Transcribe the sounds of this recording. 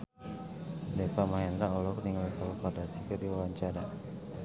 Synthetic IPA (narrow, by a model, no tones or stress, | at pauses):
depamaɦɛnd̪aulɔkniŋalikɔlupadasikədiwawaɲt͡ʃaɾa